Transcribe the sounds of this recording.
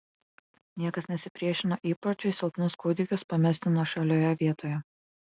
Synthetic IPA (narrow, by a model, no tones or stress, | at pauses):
nʲiɛkɐsnʲɛsʲɪpʲɾʲiɛʃʲɪnoʔiːpɐt͡ʃʲɛɪsʲɪlˠp̪ʲnʊskuːd̪ʲɪkʲʊspɐmʲɛst̪ʲɪnoːʃɐlʲoːjɛʋʲiɛt̪oːjɛ